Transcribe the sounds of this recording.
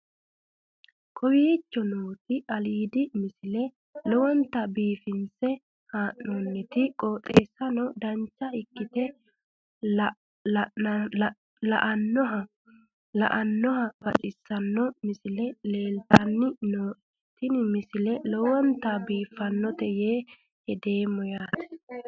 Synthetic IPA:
kʰɔwiːt͡ʃːɔnoːt̪ɪʔɐliːd̪ɪmɪsɪlɛ | lɔwɔnt̪ːɐbiːfɪnsɛ | haːʔonːɛt̪ɪkʼoːt̪ʼeːsːɐnɔd̪ɐnt͡ʃːɐɪkːɪt̪ɛ | lɐʔɐnːɔɦɐ | lɐ̰ʔɐnːɔɦɐb̥ɐt͡ʃʼɪsːɐnːɔmɪsɪlɛle̞ːlt̪anːɪnɔ | t̪ɪnɪmɪsɪlɛlɔwɔnt̪abiːfːɐnːɔt̪ɛjeː | hɛd̪e̞ːmːɔjaːt̪ɛ̥

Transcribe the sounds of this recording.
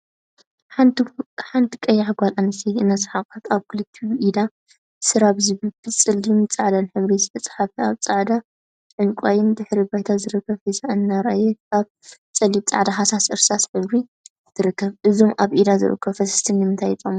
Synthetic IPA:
ħant̪ʰi̥kʼɐjaħɡʷalanɨsʰiɨnɐsʼħakʼat̪aβkʰɨlɨt̪ʰːiʔid̪a | sɨɾaβzɨβɨlbɨt͡sʼɨlːimt͡sʼaʕd̪anħɨβɾizɨt̪ʰɐt͡sʼħafiaβt͡sʼaʕd̪a | ʕɨŋkʷʼajɪnd̪ɨħɾibajt̪ʰazɨɾɨkʰːɐβizaʔɨnːaɾajɛaβ | t͡sʼɐlit̪̚t͡sʼa̰ʕd̪aɦasasʔɨɾsasħɨβɾi | zɨt̪ʰɨɾɨkʰːɐβʔɨzo̞mʔaβʔid̪azɨ̰ɾʔɨ̰kʰːɐβfɐsɨ̥st̪ʰinːɨmɨnt̪ʰajt͡sʼom

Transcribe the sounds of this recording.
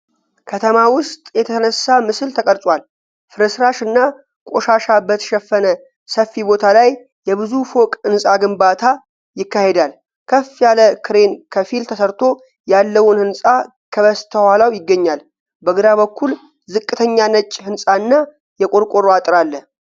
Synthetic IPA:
kʰət̪ʰəmawʊst̪ʼjɛt̪ʰət̪ʰənəsːamɨsɨlt̪ʰəkʼəɾt̪ʼwal | fɨɾɨsɾaʃɨnːa | kʼo̞ʃaʃabət̪ʰə̥ʃɛfːənə | səfːibo̞t̪ʰalaj | jɛβɨzufo̞kʼɨnsʼaɡɨmbat̪ʰa | jɪkːahe̞d̪al | kʰəfjaləkʰɨɾe̞nkʰəfilt̪ʰəsəɾt̪ʰo̞ | jalːəwʊnhɨnsʼa | kʰəβəst̪ʰəhalawjɪɡːəɲːal | bəɡɨd̪aβəkʰːul | zɨkʼːɨt̪ʰəɲːanət͡ʃʼːhɨnsʼaɨnːa | jɛkʼoɾkʼoɾoat̪ʼɾalːə

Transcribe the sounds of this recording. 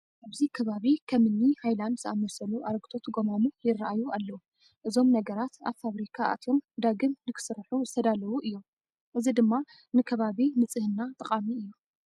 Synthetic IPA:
ʔaβzikʰɐβaβikʰɐmɨnːihajlanzɨʔamɐsɐluʔaɾɡɨt̪ʰo̞t̪ɡo̞manujɪrːaʔajualːɐwu | ʔɨzo̞mnɐɡɐɾat̪a̰βfaβɾikʰaa̰t̪ʰjo̞md̪aɡɨmnɨkʰɨ̥sɨɾħuzɨt̪ʰɐd̪alɐwuʔɨjːo̞m | ʔɨzid̪ɨmːa | nɨkʰɐβaβimɨt͡sʼɨhɨnːat̪ʼɨχʼamiɨjːu

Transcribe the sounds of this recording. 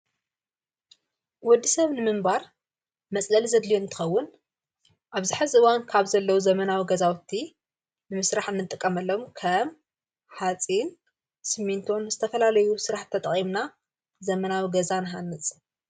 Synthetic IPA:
wɔd̪ːisɐβnɨmɨmbaɾ | mɐt͡sʼlɐlzɐd̪lijoɨnt̪ʰɨ̥xɐwːʊn | ʔaβzɨħazʔɨwankʰaβzɐlːɐwuzɐmɐnawiɡɐzawt̪ʰːi | nɨmɨsɾaħɨnːɨt̪ʼɨkʼːɐmɐlːomkʰɐm | ħat͡sʼin | sɨmint̪ʰo̞nzɨt̪ʰɐfɐlalɐjusɨɾaħt̪ʰːɐt̪ʼɐχʼimna | zɐmɐnawiɡɐzanɨɦanːɨt͡sʼ

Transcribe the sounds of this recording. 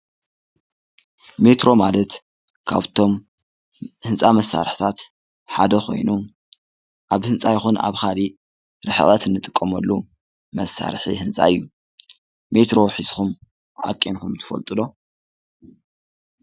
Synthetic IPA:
me̞t̪ɾo̞malɐt̪ | kʰa̰βt̪ʰo̞m | hɨnt͡sʼamɐsːa̰ɾħt̪ʰat̪ | ħad̪ɐxʰo̞̰jnu | ʔaβhɨnt͡sʼajɪxuna̰βxali | ɾɨħɨ̰ʔʼɐt̪ɨnːɨt̪ʼɨkʼːɐmɐlːu | mɐsːa̰ɾħihɨnt͡sʼa̰ɨjːu | me̞t̪ɾo̞ħiz̥xum | ʕa̰kʼːenkumt̪ʰɨ̥fɐ̰lt̪ʼɨlo̞

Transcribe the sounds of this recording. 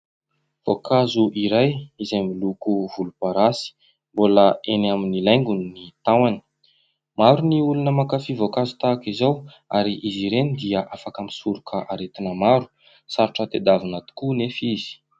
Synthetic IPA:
v̥okazuʔiɾajizajmilukuvulupaɾasi̥ | mboləenaminilajŋɡunnit̪awani̥ | maɾuniulunəmakafivokazu̥t̪aːkizaw | aɾiʔiziɾenid̪iəʔafakəmisuɾukʰəʔaɾet̪inəmaɾu̥ | saɾʈ͡ʂət̪ed̪avinat̪u̥kunefiz̥i̥

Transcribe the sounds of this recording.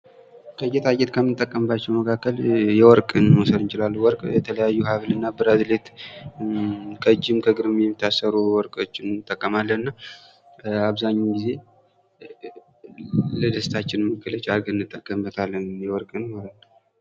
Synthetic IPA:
kʰəjɛt̪ʰajɛt̪kʰəmɨnt̪ʼːəkʼːəmbat͡ʃːɛwməkʰakːəljɛwɔɾkʼɨnmɔsəd̪ɨnt͡ʃɪlalːuwɔɾkʼjɛt̪ʰələjajːuhaβlɨnːabɨɾad̪let̪ | kʼəd͡ʒːɪmkʰəɡɨɾɨmjɛmːit̪ʰːasəɾuwɔɾkʼot͡ʃːɪnnɨt̪ʼːəkʼːəmalːənɨnːa | aβzaɲːuɡize̞ | ləd̪əst̪ʰat͡ʃːɪnməkːɨlət͡ʃʼaɾɡɨnːɨt̪ʼːəkʼːəmbət̪ʰalːənjɛwɔɾkʼɨnhoɾal

